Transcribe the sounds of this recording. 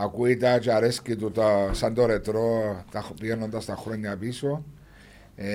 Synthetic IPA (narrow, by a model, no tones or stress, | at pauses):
akwit̪at͡ʃaɾeskit̪ut̪asand̪oɾet̪ɾot̪abjɛɾnond̪ast̪axuɾeɲabiso | e